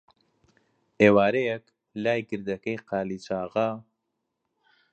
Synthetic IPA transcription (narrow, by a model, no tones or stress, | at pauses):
eːwaːɾejɛk | laːjɡɨɾd̪ɐkɐjqaːlit͡ʃaːɣɐ